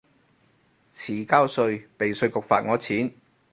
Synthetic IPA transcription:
t͡sʰiː˨˩kaː˥wsɵ˧ɥpe˨jsɵ˧ɥkʊ˨k̚faː˨t̚ŋɔː˨˧t͡sʰiː˨˥n

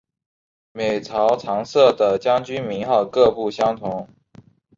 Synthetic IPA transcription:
me˨˩ɪt͡sʰɑ˧˥ʊt͡sʰɑ˧˥ŋsɤ˥˩d̪ə˩t͡ɕjɑ˥ŋt͡ɕy˥nmi˧˥ŋxɑ˥˩ʊkɤ˥˧pu˥˩ɕjɑ˥ŋt̪ʰʊ˧˥ŋ

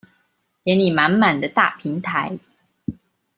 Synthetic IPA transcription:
jjɛ˧˦˥nli˨˩ma˧˦˥nma˨˩nd̪ə˦t̪a̰˥˨pʰi˨˦ŋt̪ʰa˧˦ɪ

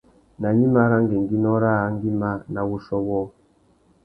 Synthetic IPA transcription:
na˨ɲi˦ma˦ɾa˦ŋɡe˨ŋɡi˦nɔ˦ɾa˦ŋɡi˦ma˦na˨wu˦ʃɔ˦wɔ˦˨

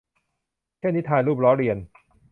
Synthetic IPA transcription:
t͡ɕʰe˥˩nːi˦˥t̪ʰaː˧jluː˥˩p̚ɾɔː˦˥ɾi˧ən

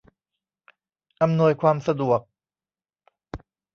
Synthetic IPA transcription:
ʔa˧mnu˧əjkʰwaː˧msa˧du˨˩ək̚

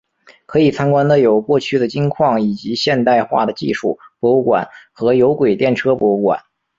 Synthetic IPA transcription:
kʰɤ˧˥i˨˩t͡sʰa˥nkwa˥nd̪ə˧jo˨˩ʊkwɔ˥˧t͡ɕʰy˥˩d̪ə˩t͡ɕi˥ŋkʰwɑ˥˩ŋi˨˩t͡ɕi˧˥ɕjɛ˥˧nt̪a˥˧ɪxwa̰˥˩d̪ə˩t͡ɕḭ˥˧ʂu˥˩pwɔ˧˥u˥˩kwa̰˨˩nxɤ˧˥jo˧˥ʊkwe˨˩ɪt̪jɛ˥˩nʈ͡ʂʰɤ˥pwɔ˧˥u˥˩kwa̰˨˩˦n

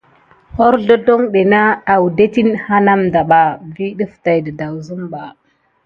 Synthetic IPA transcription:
ho˦ɾdo˦do˦ŋɗe˨na˦a˨wu˨de˦ti˦nha˦na˦mda˨ɓa˨vi˦ɗə˦fta˨jdə˨da˨wzu˦mɓa˨

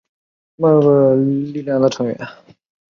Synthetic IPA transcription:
ma˥˩˥wə˥˧˩li˥˧ljɑ˥˩ŋd̪ə˩ʈ͡ʂʰɤ˧˥ŋɥɛ̰˧˥n

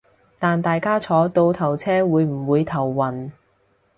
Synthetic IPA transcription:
t̪aː˨nt̪aː˨jkaː˥t͡sʰɔː˨˥t̪o˧wt̪ʰɐ˨˩wt͡sʰɛː˥wuː˨˧jm̩˨˩wuː˨˧jt̪ʰɐ˨˩wːɐ˨˩n

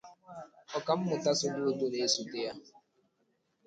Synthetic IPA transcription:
ɔ˨ka˨m̩˦mʊ˨ta˦sʊ˨dʊ˦˨dʊ˦ne˨˦su˨te˦ja˦

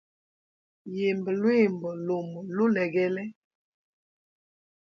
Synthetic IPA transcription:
je˨mbə˨lwe˦˨mbə˨lo˨m˨lo˦lɛ˨ɡɛ˦lɛ˦

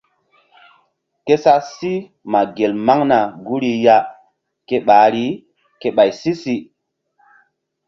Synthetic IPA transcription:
ke˦sa˦si˦ | ma˨ɡe˨lma˦ŋna˨ɡu˦ɾi˦ja˦ | ke˦ɓaː˨˦ɾi˦ | ke˦ɓa˨jsi˦si˦

